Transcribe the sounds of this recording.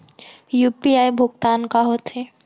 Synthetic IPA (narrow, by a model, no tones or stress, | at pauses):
jupiajbʱoɡt̪aːnkaɦot̪ʰe